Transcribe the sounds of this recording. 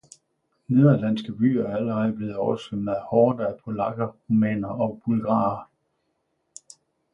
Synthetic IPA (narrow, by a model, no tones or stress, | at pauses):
ne̝ðˠælæn̰sɡ̥əb̥y̰ːæɐæləʁɛð̩ˠb̥le̝ːð̩ˠɒʊɐsɡ̥emn̩æhɒːd̥ææpʰo̝lɑ̈ɡ̥ɐʁumɛ̰ːnɐɒ̽b̥ulɡ̥ɑ̈ːɐ